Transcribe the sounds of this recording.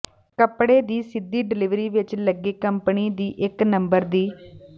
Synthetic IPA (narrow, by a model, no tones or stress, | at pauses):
kəpɽeːd̪iːsɪd̪ːiːɖɪlɪʋɾiːʋɪt͡ʃləɡeːkəmpniːd̪iːʔɪknəmbəɾd̪iː